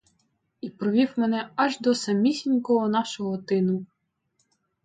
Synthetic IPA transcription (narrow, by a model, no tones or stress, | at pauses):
ipɾɔʋʲiwmenɛɐʒd̪ɔsɐmʲisʲinʲkɔɦɔnɑʃɔɦɔt̪ɪnʊ